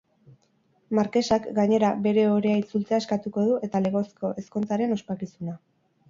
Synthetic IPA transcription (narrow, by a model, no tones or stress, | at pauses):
maɾke̞sakɡaɲe̞ɾabe̞ɾe̞o̞ɾe̞ait͡sult͡seae̞skat̪uko̞ðuʔe̞t̪ale̞ɣo̞sko̞ʔe̞sko̞nt͡saɾe̞no̞spakisuna